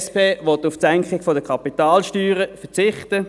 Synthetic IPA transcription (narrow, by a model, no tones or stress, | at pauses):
speːʋɔtːʊfsɛŋkχɪɡ̥fɔdəkʰɑpitɑːlʃtyːʁəfət͡sɪχtə